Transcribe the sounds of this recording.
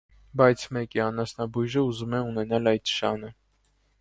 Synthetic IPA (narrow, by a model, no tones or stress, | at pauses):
bɑjt͡sʰmɛkiɑnɑsnɑbujʒəuzumɛunɛnɑlɑjt̪̚ə̥ʃɑnə